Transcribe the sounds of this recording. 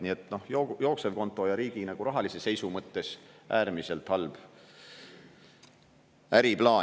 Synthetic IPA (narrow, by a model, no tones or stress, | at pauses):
nie̞t̪ːˑno̞hjojo̞ːkse̞vko̞nt̪ːˑo̞jɑɾiːɡinæɡ̥uɾɑɦɑlisese̞jsumɤt̪ːe̞sʔæːrmise̞lt̪hɑlb̥ | æɾiplɑː